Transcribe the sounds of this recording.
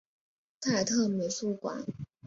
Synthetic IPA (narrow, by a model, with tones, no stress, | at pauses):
t̪ʰa˥˧ɪt̪ʰɤ˥˩me˨˧˥ɪsu˥˩kwa̰˨˩˦n